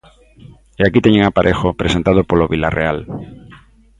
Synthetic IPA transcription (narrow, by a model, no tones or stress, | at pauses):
eakit̪eɲẽŋapaɾʔexopɾesent̪að̞opoloβila̰rḛal